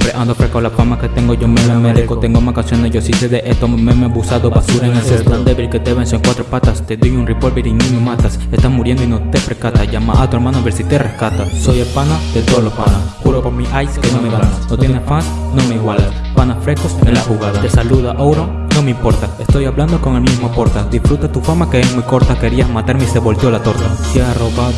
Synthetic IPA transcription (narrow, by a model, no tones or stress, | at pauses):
pɾeʔand̪ofɾekaolapamaket̪eŋɡoʝomemomeðikot̪eŋɡomakansjond̪eʝosiseðeʔet̪ommemebusaðoβasuɾaeŋelsest̪and̪eβilket̪eβensoeŋkwat̪ɾopat̪ast̪edojunripolbeɾinomemat̪asest̪asmuɾjend̪oinot̪efɾeskat̪aʝama̰ʔat̪oeɾmãnoβeɾsit̪ereskat̪asojelpanaðet̪oðolospanaxuɾopoɾmiʔajskenomeaanot̪jenesfas | nomeiɣwala | panasfɾekosenlaxuɣaðat̪esaluðaʔowɾo | nomeimpo̞ɾt̪aest̪ojaβland̪okoŋelmizmopoɾt̪ad̪isfɾut̪at̪ufamakeesmujko̞ɾt̪ake̞ɾiazmat̪aɾmeiseβo̞lt̪jolat̪oɾt̪asiaroβa